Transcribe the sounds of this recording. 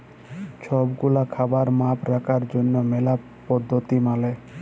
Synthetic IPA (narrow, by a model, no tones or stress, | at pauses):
ʃʰɔbɡulakʰabaɾmapɾakʰaɾd͡ʑonːomela | pɔd̪ʱːot̪imale